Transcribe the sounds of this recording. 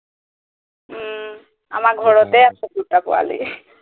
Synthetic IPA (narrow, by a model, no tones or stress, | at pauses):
a̰makɡʱɔɹɔt̪ɛasɔkutapɔwa̰lḭ